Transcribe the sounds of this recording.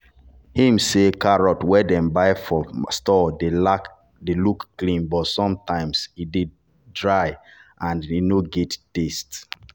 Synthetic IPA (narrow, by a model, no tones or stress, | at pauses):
hĩmsekaɹɔtwɛdɛ̃mbaɪfɔstɔdelak | delukklĩnbɔtsɔ̃mtãɪ̃msidid̚ | dɹaɪʔãninoɡɛttest